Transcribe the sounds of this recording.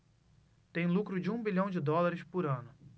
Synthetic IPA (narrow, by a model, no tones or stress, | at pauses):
t̪ẽj̃lukɾʊd͡ʒɪũbiʎɐ̃w̃d͡ʒɪd̪ɔlaɾɪʃpʊɾɐ̃nʊ